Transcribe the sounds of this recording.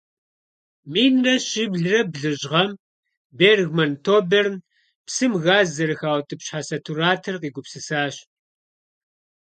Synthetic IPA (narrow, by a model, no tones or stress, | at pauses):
miːnrɐɕɪbɮrɐbɮɨʑʁɐm | beːrɣmɐntʰoːbern | psɨmɣaːzɐɾɨxaːwtʰʼɨpɕħasɐtʰuɾaːtʰɐrqiːɡʷʊpsɨsaːɕ